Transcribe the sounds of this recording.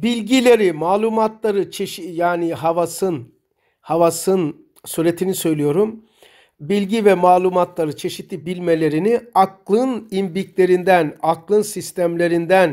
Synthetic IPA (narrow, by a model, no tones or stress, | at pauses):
bilʲɟilʲe̞ɾimaːlˠumat̪lˠaɾɯt͡ʃʰeʃijaːniɦavasɯn | havasɯn | suɾe̞t̪ʰinisø̞jlʲijo̞ɾum | bilʲɟivɛmaːlˠumat̪lˠaɾɯt͡ʃʰe̞ʃit̪ʰːibilʲme̞lʲe̞ɾiniaklˠɯnimbiklʲe̞ɾind̪ænaklˠɯnsist̪ʰæmlʲe̞ɾind̪æn